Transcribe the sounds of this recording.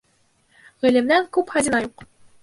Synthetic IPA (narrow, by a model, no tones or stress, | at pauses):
ʁɘ̆lɘ̆mnæŋkʉpχæd̪ʲinɑjuq